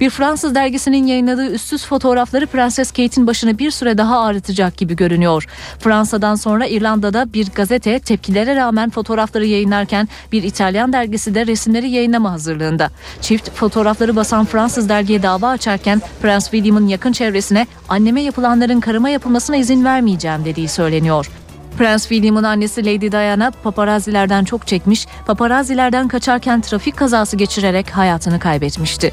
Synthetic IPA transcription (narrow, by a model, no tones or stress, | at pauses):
b̥iɾfɾansɯzd̪æɾɟisininjajɯnlˠad̪ɯːyst̪ysfo̞t̪ʰo̞ːɾaflˠaɾɯpɾansɛscʰejt̪ʰinbaʃɯnɯbiɾsyɾɛd̪aɦaːɾɯt̪ʰɯd͡ʒak̚ɟ̥ibiɟø̞ɾynyjo̞ɾ̥fɾansad̪anso̞nɾaiɾlʲˠand̪ad̪abiɾɡazet̪ʰɛt̪ʰɛp̚cʰilʲe̞ɾɛɾaːmænfo̞t̪ʰo̞ːɾaflˠaɾɯjajɯnlˠaɾcʰæn | biɾit̪ʰalʲjand̪æɾɟisid̪ɛɾesimlʲe̞ɾijajɯnˠamaɦazɯɾlˠɯːnd̪at͡ʃʰift̪fo̞t̪ʰo̞ːɾaflˠaɾɯbasanfɾansɯzd̪æɾɟijɛd̪aːvaːt͡ʃʰaɾcʰænfɾansvilʲimɯnjakʰɯnt͡ʃʰɛvɾe̞sinɛ | anːe̞mɛjapʰɯlˠanlˠaɾɯnkʰaɾɯmajapʰɯlˠmasɯnaizinvæɾmijd͡ʒɛːmd̪e̞d̪ijisø̞jlʲe̞nijo̞ɾ̥ | pɾansvilʲumɯnanːesilʲejd̪id̪ajanapʰapaɾazilʲæɾd̪ænt͡ʃʰo̞kt͡ʃʰɛcmiʃ | pʰapaɾazilʲæɾd̪ænkʰat͡ʃʰaɾcʰænt̪ʰɾaficʰːazaːsɯɟe̞t͡ʃʰiɾe̞ɾɛcɦajaːt̪ʰɯnɯkʰajbɛt̪miʃt̪ʰɪ